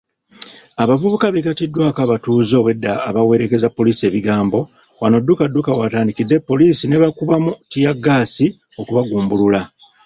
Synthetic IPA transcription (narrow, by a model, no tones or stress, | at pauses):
aβavuβukaβekatidːwaːkaβatuːzo̞we̞dːaːβawe̞ɾe̞ke̞zapːo̞liːsie̞ːβiɡaːmbo̞ | wano̞dːukadːukawataːndikidːe̞pːo̞liːsine̞βakuβamutijaɡːaːsi | o̞kuβaɡuːmbulula